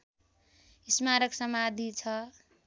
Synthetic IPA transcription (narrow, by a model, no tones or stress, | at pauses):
ismaɾʌksʌmad̪ʱit͡sʰʌ